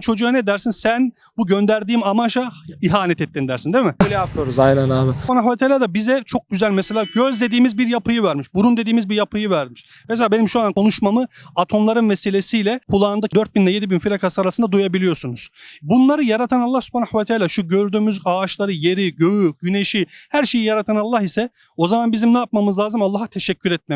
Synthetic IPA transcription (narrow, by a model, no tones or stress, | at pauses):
t͡ʃʰo̞d͡ʒujanɛd̪æɾsinsæn | buɟønd̪æɾd̪iːmamaʃaiɦaːnɛt̪ʰɛt̪ːind̪æɾsind̪emimɪøjlʲɛat̪ʰɯjoɾuzajnɛnaːbpanaxvat̪ʰalʲaːd̪abizɛt͡ʃʰo̞k̚ɟyzælʲmɛselʲaːɟøzd̪e̞d̪iːmizbiɾjapʰɯjɯvæɾmiʃbuɾund̪e̞d̪iːmizbiɾjapʰɯjɯvæɾmiʃms̬elʲaːbe̞nimʃuankʰo̞nuʃmamɯat̪ʰo̞mlˠaɾɯnveselʲe̞sijlʲɛkʰulˠaːnd̪ad̪øɾt̪̚binlʲɛjed̪ibinfiɾakʰasaɾasɯnd̪ad̪ujabilʲijosunuz̥bunlˠaɾɯjaɾat̪ʰanalˠːahsu̥pʰanaxvat̪ʰaːlʲaʃuɟøɾd̪yːmyzaːʃlˠaɾɯje̞ɾiɟøjyɟyneʃihæɾʃe̞jijaɾat̪ʰanalˠːahisɛ | o̞zamanbizimnaap̚mamɯzlˠaːzɯmalˠːaɦat̪ʰeʃɛcʰːyɾɛt̪̚mɛ